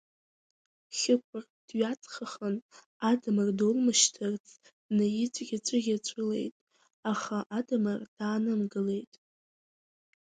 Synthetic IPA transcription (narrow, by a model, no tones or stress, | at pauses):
χʲɪkʷʰʊr | d̥ɥat͡sʰʼχaχən | adamɨrdolmɨʃtʰɨrt͡sʰʼ | najɪt͡sʷʼɡʲat͡ɕʷʼʊɡʲat͡ɕʷʼɨle̞̰jtʼ | aχaʔadamɨrd̥aːnɨmɡɨle̞jtʼ